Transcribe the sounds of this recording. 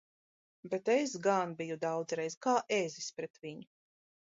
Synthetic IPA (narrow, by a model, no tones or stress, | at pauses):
bet̪es̬ɡanbijud̪awd̪zɾɛjzkaːʔezispɾɛt̪viɲu